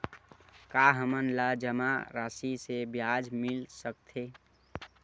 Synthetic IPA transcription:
kaɦəmənlad͡ʒəmaɾasisebjad͡ʒmilsək̚t̪ʰe

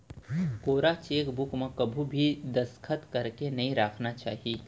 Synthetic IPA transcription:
koːɾat͡ʃeːkbukmẽkɐbʱubʱid̪ɐskʰət̪kɐɾkenɐɦĩɾaːkʰnat͡ʃaːɦeː

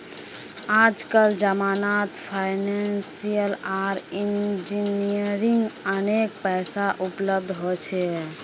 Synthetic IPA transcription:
ad͡ʒkəld͡ʒəmanat̪pʰaɪnensijəlaɾind͡ʒiniəɾiŋɡənek̚pɛsaʔupləb̚d̪ʱɦot͡ʃʰɛ

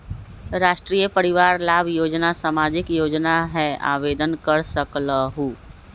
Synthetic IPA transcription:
ɾaːʃʈɾiːjəpəɾɪʋaːɾlaːbʱjoːd͡ʒnasaːmaːd͡ʒɪkjoːd͡ʒnaɦɛa̰ːʋeːd̪ənkəɾsəklaɦuː

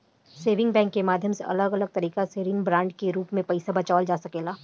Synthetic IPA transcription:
seːʋɪ̃ŋɡbɛ̃ːŋkːemaːd̪ʱjəmseʔɐ̰ləɡɐləɡ̚t̪ɐɾiːkaseɾiːnbɾãːɳɖkeɾuːpmẽpɐɪsabɐt͡ʃaːld͡ʒaːsɐkeːlaː

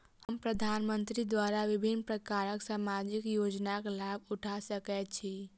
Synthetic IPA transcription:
həmpɾəd̪ʱaːnmə̃nt̪ɾid̪waɾaʋɪbʱinːpɾəkaːɾəksaːmad͡ʒɪkjoːd͡ʒnakelabʊʈʰasəkɛt͡ʃʰi

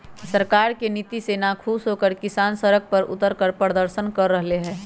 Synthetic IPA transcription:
səɾkaːɾkenit̪iseːnakʰuːsɦoːkəɾkɪsaːnsəɾək̚pəɾʊ̰t̪əɾkəɾpɾəɾd̪əɾʃənkəɾːəɦleɦɛ̃ː

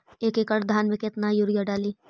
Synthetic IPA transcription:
eːkekɐʈd̪ʱaːnmẽket̪najuɾjaɖaːliː

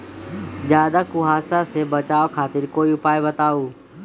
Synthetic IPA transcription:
d͡ʒjaːd̪akʊɦaːsasebət͡ʃaːokʰaːt̪ɪɾkoːiʊpaːjbət̪aːuː

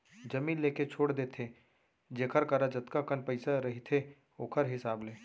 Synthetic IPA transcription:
d͡ʒɐmiːnleːket͡ʃʰoːɽd̪eːt̪ʰe | d͡ʒeːkʰəɾkɐɾad͡ʒɐt̪kakənpɐɪsaɾɐɦit̪ʰe | oːkʰəɾɦɪsaːbleː

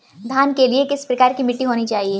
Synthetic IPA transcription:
d̪ʱaːnkeliekɪspɾɐkaːɾkimɪʈːiɦoːnit͡ʃaːɦieː

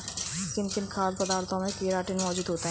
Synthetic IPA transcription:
kɪnkɪnkʰaːɾpɐd̪aːɾt̪ʰɔ̃mẽkeːɾaːʈɪnmɔːd͡ʒuːd̪ɦoːt̪aɦɛ

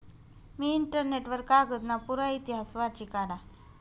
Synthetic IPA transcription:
miːɳʈəɾneʈʋəɾkaɡət̪napuɾait̪iɦasʋat͡ɕikaɽa

